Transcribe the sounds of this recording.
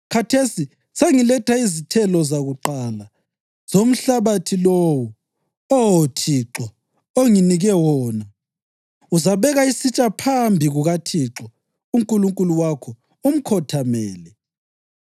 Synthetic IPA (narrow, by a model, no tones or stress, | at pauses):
kʰatʰesi | seŋilɛtʰaizitʰɛlɔzaɣuǃaːla | z̥om̩ɬaβatʰilowu | owotʰiːǁɔ | oŋiniɣɛwɔːna | uzaβɛɣaisit͡ʃʼapʰambʱiɣuɣatʰiǁɔ | uŋkʼuluŋkʼuluwakʰɔ | um̩kʰɔtʰamɛːlɛ